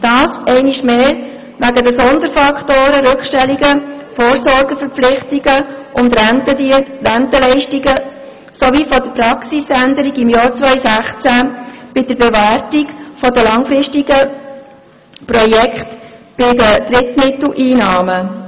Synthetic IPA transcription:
d̥ɑːsɛɪniʃmeː | ʋæɡədəsɔnd̪əɾfɑkχtoːɾəɾʏkχʃtɛliɡəfoːɾsɔɾɡəfəɾflɪχtiɡəʔʊnd̪ɾtəiɾæntəlɛɪʃtiɡə | sɔʋifɔdəɾpɾɑksisændəɾiɡɪmjɑːɾt͡sʋœʏsæχt͡sæb̥ɪdəɾbɛʋæɾtiɡfɔdəlɑŋfɾɪʃtiɡə | pɾɔjɛkχt | b̥ɪdəd̥̪ɾɪtmɪt̪l̩ʔiːnɑːmə

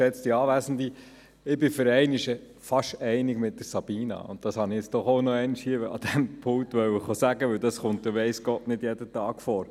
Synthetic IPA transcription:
ɛt͡std̥iɑːʋæsn̩d̪i | ɪbɪfəɾɛɪnɪʃə | fɑʃɛɪnɪɡmɪt̚d̥əɾsɑb̥iːnɑ̰ʊ̰nt̚d̥ɑshɑnɪɛt͡sd̥ɔχoʊnɔɛɪnɪʃhiːəɑ̰d̥̪ɛmpʰʊŋktʋœwɪχosæɡəʋɵwdɑsχʊnt̚d̥əʋɛɪsɡ̥ɔtnɪdjɛdətɑːɡ̥fɔːɾ

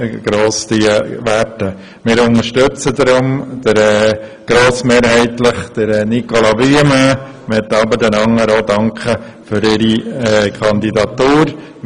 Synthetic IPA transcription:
ɡ̥ɾoːsd̪iʋætə | mɪːɾʊnəɾʃtøt͡səd̪ɾʊmd̥əɾɛːɡ̥ɾoːsmeːɾhɛɪtləχd̥əɾɛnikolɑbyəma | mɛt̪ːɑbəɾdɛnɑŋːəɾoːd̪ɑŋkʰχə | fʏɾɪɾiɛːkʰɑnd̪idɑt̪uːɾ

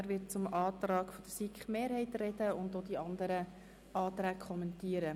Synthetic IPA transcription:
æɾʋɪt̚t͡sʊmɑːtrɑːkfɔd̥əsikχmeːɾhɛɪtrɛd̥əʊndoːd̪iɑnd̪əɾə | ɑːt̪ɾæːkʰχɔmɛntiːəɾə

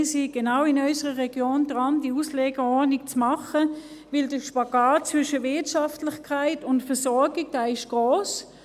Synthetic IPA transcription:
siɡ̥enaʊɪnɔʏsəʁəʁɛɡ̥joːndʁɑndiusleːɡəɔnik̚t͡smɑχə | vɪldəʃpaɡaːtt͡svʏʃəvɪɐtʃɑftlɪχkʰaɪtʊntfəɐsɔɐɡɪɡ̚d̥aːɪʃɡ̥ʁoːs

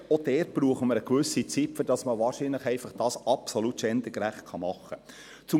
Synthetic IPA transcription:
ɔd̥ɛːrt̚b̥ɾuːəχəməɾəkʋʏsit͡sipfʏɾd̥ɑsməʋɑːrʃinləχɛɪfɑχd̥ɑːsɑpsolutʃɛnd̥̪əkɾæχt̚kʰɑmɑχə | t͡sʊ

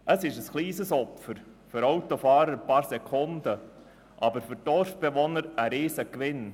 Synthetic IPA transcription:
ʔəsɪʃəsχliːsəsɔpfəɾ | fʏɾɑwt̪ofɑːɾəɾəpɑːɾsɛkʰʊnd̪ə | ʔɑbəɾfʏɾd̥ɔɾfb̥ɛʋɔnəɾəɾiːsəkʋɪn

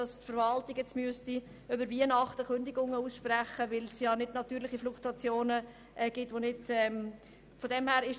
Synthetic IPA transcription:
ɑstfəɾvɑltɪkjɛt͡smyəsti | ʏbəɾviənɑχtəkøndɪɡʊŋːəuːsʃpræχəʋɪlsjɑnɪdnɑtyːɾlɪχifluktuɑt͡sjoːnə | ʔɛɡ̥ɪtːʋonɪdɛm | fodɛmhæːɾɪʃ

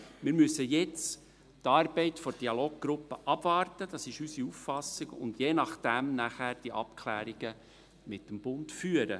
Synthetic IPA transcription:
mɪɾmʉsːəjɛt͡s | tɑːɾbɛɪtfɔd̥iɑloːɡ̥̚ɡ̥ɾʊpːəʔɑb̥vɑːrtəd̥ɑsɪʃysiuffɑsːɪɡ̥ʊ̰nd̥jeːnɑχd̥æmnæχæːɾd̥iʔɑpkʰlæ̰ːɾiɡ̥ə | mɪtːəmb̥ʊndfyːəɾə

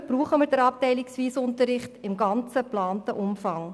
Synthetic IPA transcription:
b̥ɾuːχəməɾdəɾɑp̚tɛɪlɪksʋiːsʊntəɾɪχtɪmɡɑnt͡səplɑːntəʔʊmfɑŋ

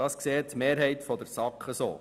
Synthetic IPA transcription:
ɑskseːtmeːɾɦɛɪt̪fɔd̪əɾsɑkχəso̰ː

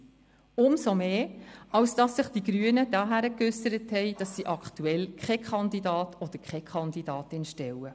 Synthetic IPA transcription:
ʊmsomeːɑwsd̥ɑsːɪχd̥iɡ̥ɾyənəd̥ɑɦæɾəkʉsəɾəthɛɪd̥ɑsːiʔɑkχtuɛlkʰχɛkχɑndidɑːtʰɔd̥əɾkχɛkʰχɑndidɑːtɪnʃtɛwə

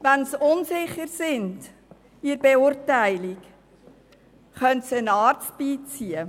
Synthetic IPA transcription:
ʋænsʊnsɪχəɾsɪnd | iɾbeʊɾtæɪlik | χœntsiənɑːɾt͡st̚b̥iːt͡siə

